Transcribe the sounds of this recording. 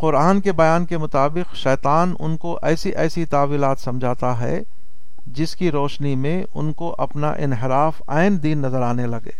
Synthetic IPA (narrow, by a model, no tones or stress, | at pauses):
qʊɾaːnkebɐjaːnkemʊt̪aːbɪqʃɛːt̪aːnʊ̰nkoʔɛːsiʔɛːsit̪aːʋiːlaːt̪sɐmd͡ʒʱaːt̪aɦɛ̰ | d͡ʒɪskiɾoːʃnimẽ | ʊ̰nkoʔɐpna̰ʔɪ̰nɦɪɾaːfa̰ːɪnd̪iːnːɐzəɾaːnelɐɡḛː